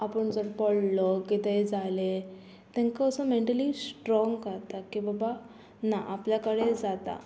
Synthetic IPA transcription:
apəɳd͡zəɾpɔɽlɔkit̪ed͡zale | t̪ɛ̃ŋkəːsəmeɳʈalisʈɾɔ̃ŋɡkəɾt̪akibaba | naʔapljakəɽed͡zat̪a̰

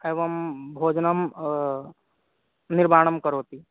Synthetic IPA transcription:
eːʋɐmbʱoːd͡ʒnəm | niɾbaːɽ̃əmkəɾoːt̪i

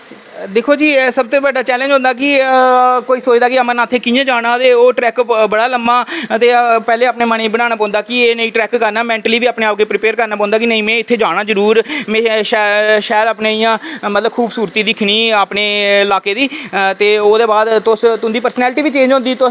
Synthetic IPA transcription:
d̪eːkʰoːd͡ʒiːsəb̚t̪oːbəɖaːt͡ʃɛːlə̃nd͡ʒʊ̃nd̪aːk̬ɪ | koːiːsoːt͡ʃd̪aːkɪəmənaːt̪ʰeːkɪjãːd͡ʒaːɽ̃aːt̪eːoːʈɾɛːkbəɽaːləmaːt̪eːpɛːleːaːpneːmaɽ̃ĩːbəɽ̃aːñaːpɔ̃ːnd̪aːkɪeːnəĩːʈɾɛːkːəɾnaːmɛ̃ːɳʈəliːʋiːaːpɳeːaːp̚keːpɾɪpeːɾkəɾnaːpɔ̃ːnd̪aːkɪnəĩːmɛ̃ːɪt̪ʰːeːd͡ʒaːɽ̃aːzəɾuːɾmɛ̃ːʃɛʃɛːɾaːpnẽːɪjãːmət̪ləbkʰuːbsuːɾt̪iːd̪ɪkʰniːaːpneːɪlaːkeːd̪iːt̪eːoːd̪eːbaːd̪t̪ʊst̪ʊnd̪iːpəɾsnɛːlʈiːʋiːt͡ʃẽːnd͡ʒɦʊ̃nd̪iːt̪ʊ

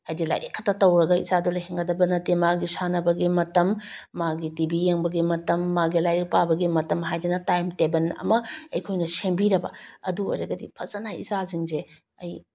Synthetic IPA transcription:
hajdila̰jɾḭkʰːɐtːɐtɐwɾɐɡɐḭzadulɐjɦeŋɡɐdɐbɐnɐtemaɡisanɐbɐɡimɐtɐmːaɡitibijeŋbɐɡimɐtɐmːaɡilajɾik̚pabɐɡimɐtɐmɦajdinɐtajmtebɐnɐ̰mɐɐjkʰojnɐsembiɾɐbɐ̰ɐduo̰jɾɐɡɐdḭpʰɐsɐnaḭzaziŋze | ɐj

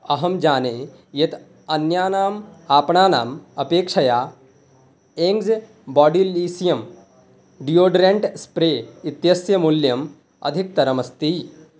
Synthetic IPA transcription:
ɐɦɐmd͡ʒaːneː | jet̪ | ɐnjaːnaːmaːpɳaːnaːmɐpeːkʂɐjaː | eːŋɡz | bɔːɖiliːsijɐm | ɖijoːɖɾeɳʈspɾeːit̪jɐsjɐmuljɐm | ɐ̰d̪ʱik̚t̪ɐɾɐmɐst̪i

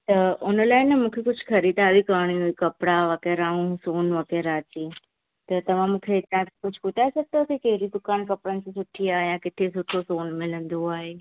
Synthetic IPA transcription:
t̪ɐʊnəlaːɪnəmũːkʰekʊd͡ʑʱkʰɐɾiːd̪aːʋikaːɽ̃iuikɐpɽaʋɐkeːɾaũsoːnʋɐkeːɾaːt̪iː | t̪ɐt̪ɐʋ̤ãmũːkʰet̪ãkkʊd͡ʑʱkʊt̪aːesɐɡ̚t̪ɐʊkʰekɛɦɪɾid̪ʊkaːnkɐpɽənɪ̆sẽsʊʈʰiaːɦejãkɪt̪ʰesʊʈʰosoːnmɪlə̃nd̪oaːɦeː

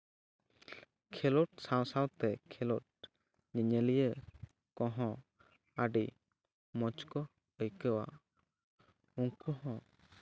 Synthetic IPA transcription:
kʰɛlɔʈ̚sawsawt̪ɛkʰɛlɔʈ̚ | ɲəɲəlijə | kɔ̃ɦɔ̃ | aɖi | mɔt͡ʃkɔ | əjkəwa̰ | uŋkʰɔɦɔ̃

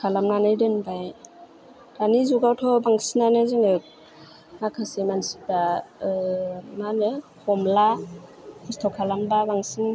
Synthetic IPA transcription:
kʰalamnanɯjdɯnbaj | d̥anizuɡawtʰɔbaŋsinanɯziŋɯk̚ | makʰasemansi̥p̚da | manɯhʰɔmla | hʰistʰɔkʰalamlabaŋsin

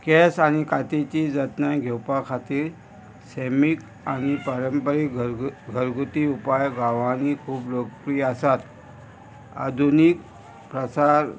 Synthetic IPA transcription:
kɛsañikat̪et͡ɕiːd͡zət̪naɡʱewpakʰat̪iːɾ | semik | añipəɾəmpəɾiɡʱəɾɡut̪iupajɡaʋanikʰuːplokpɾiːəsat̪ | a̰d̪ʱunik̚ | pɾəsaɾ

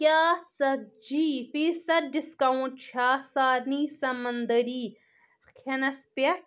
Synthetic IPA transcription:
kʲjaːt͡sɐd͡ʒiːfisɐt̪̚ɖiskɐũt͡ʃʰaːsaːɾniːsɐmɐnd̪ɐɾiː | kʰɐnɐspɐ

